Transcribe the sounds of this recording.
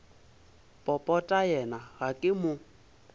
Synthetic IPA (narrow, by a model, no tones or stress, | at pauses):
pʼɔpʼɔtʼajɛnaɣakʼɪmʊ